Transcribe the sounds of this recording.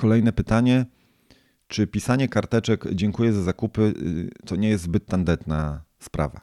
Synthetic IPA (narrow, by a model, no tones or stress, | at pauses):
kɔlɛjnɛpɘt̪aɲɛ | t͡ʂɘpʲisaɲɛkaɾt̪ɛt͡ʂɛkd͡ʑɛŋkujɛzazakupɘt̪ɔɲɛjɛst̪zbɘt̪ːand̪ɛt̪naspɾʔa̰va̰